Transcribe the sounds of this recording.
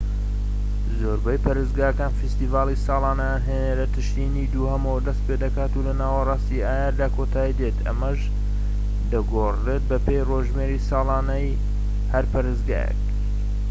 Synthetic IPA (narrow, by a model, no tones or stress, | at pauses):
zoɾbɛjpɐɾɨzɡaːjəkaːnfist̪ivaːlˠisɑːlˠɑːnɐjanɦeːneɾɐt̪ʰɨʃt̪iniːd̪uːhɐmɐwɐd̪ɐst̪̚ped̪ɐkaːt̪ulɐnaːwɑrˤɑːst̪iaːjaːɾd̪aːkʰot̪ʰaːid̪et̪ʰɐ̰mɐʒ | d̪ɐɡoret̪̚bɐpʰejroʒmeɾisɑːlˠɑːnɐj | hɐɾpɐɾɨzɡa̰ːjḛk̚